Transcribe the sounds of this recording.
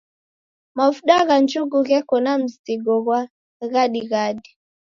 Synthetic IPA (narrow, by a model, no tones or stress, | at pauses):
mavuɗaɣand͡ʒuɡuɣɛkɔnam̩ziɡɔɣwa | ɣaɗiɣaɗi